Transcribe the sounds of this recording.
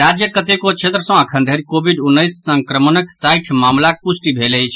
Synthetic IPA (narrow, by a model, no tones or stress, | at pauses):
ɾad͡ʒjəkət̪ekot͡ʃʰet̪ɾəsə̃əkʰənd̪ʱeɾikobʱiɖunːəjsːə̃ŋkɾəmənəksajʈʰmamlak̚pusʈibʱeləjt͡ʃʰ